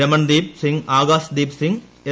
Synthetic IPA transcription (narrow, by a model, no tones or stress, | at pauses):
ɐmɐnd̪iːp̚siŋɡaːɡaːsd̪iːpsiŋ | e